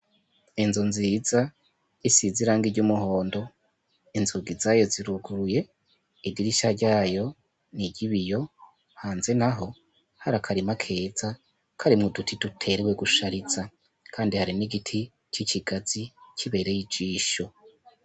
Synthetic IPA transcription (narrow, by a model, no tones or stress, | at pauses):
inzunziːza | isiziɾaːŋɡiɾɟumuɦo̞ːndo̞ | inzuɡizajo̞ziɾuɡuɾuje̞ | idiɾiʃaɾɟaːjo̞ | niɟiβijo̞ | haːnze̞naɦo̞ | haɾakʰaɾimakʰe̞ːz̥a | kʰaɾimŋodutʰidutʰe̞ɾewe̞ɡuʃaɾiz̥a | kʰaːndihaɾiniɡitʰi | t͡ʃiciɡ̥az̥icʰiβe̞ɾe̞jid͡ʒiːʃo̞